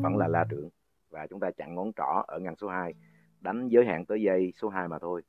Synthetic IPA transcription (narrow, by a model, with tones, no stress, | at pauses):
və̰˧˥nlaː˨˩laː˧t͡ɕɨ̰˧˩˨əŋ | vaː˨˩t͡ɕʊ˨˦ŋ͡mt̪aː˧t͡ɕa̰˧˨ŋŋɔ˨˦nt͡ɕɔ˧˩ʔəː˧˩ŋa˨˩jnso˨˦ɦaː˧j | ɗa˨˦jŋ̟zəː˨˦jɦa̰ː˧˨nt̪əː˨˦jzə˧jso˨˦ɦaː˧jmaː˨˩t̪ʰo˧j